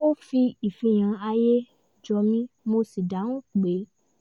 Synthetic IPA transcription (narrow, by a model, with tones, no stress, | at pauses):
o˦fi˧i˨fĩ˧j̃ã˧a˧je˦ | d͡ʒɔ˧mĩ˦mo˧si˨da˨˦nũ˦k͡pe˨˦